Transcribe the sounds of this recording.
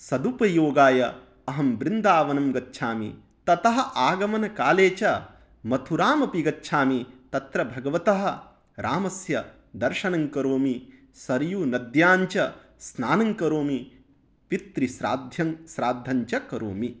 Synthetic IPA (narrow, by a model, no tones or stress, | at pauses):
sɐd̪upɐjoːɡaːjɐ | ɐɦɐmbɾɪnd̪aːʋɐnɐmɡɐtːʃʰaːmḭ | t̪ɐt̪ɐɦɐʔaːɡɐmɐnɐkaːleːt͡ʃɐ | mɐt̪ʰuɾaːmɐpiɡɐtːʃʰaːmit̪ɐt̪ɾɐbʱɐɡɐʋɐt̪ɐɦɐ̆ | ɾʔaːmɐsjɐ | d̪ɐɾʃɐnɐŋkɐɾoːmi | sɐɾjuːnɐd̪jaːɲt͡ʃɐsnaːnɐŋkɐɾoːmi | pit̪ɾisɾa̰ːd̪ʱjɐŋsɾaːd̪ʱːɐɲt͡ʃɐkɐɾo̰ːmi